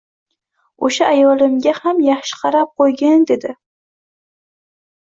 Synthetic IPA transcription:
oʃaʔːjɒlɪmɡʲahamjɑχʃɪ̥qʰɑɾap̚qʰojɡʲand̪e̞d̪ɪ

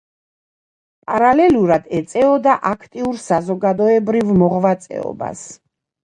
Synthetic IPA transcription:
pʼaɾalɛluɾad̪ɛt̪sʼɛɔd̪aʔakʰt̪ʼiuɾsazɔɡad̪ɔɛbɾivmɔʁvat̪sʼɛ̰ɔ̰ba̰s

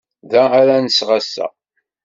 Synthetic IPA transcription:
ðæːɾænəsʁasːæ̰

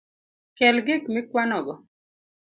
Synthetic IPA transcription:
kɛlɡɪkmɪkwanɔɡɔ

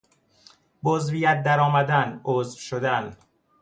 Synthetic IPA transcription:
bozvijæt̪̚d̪æɾɒːmæd̪ænozvʃod̪æn

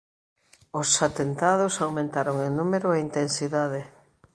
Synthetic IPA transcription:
osat̪ent̪að̞osawmẽnt̪aɾoŋenumeɾoaint̪ensiðaðe

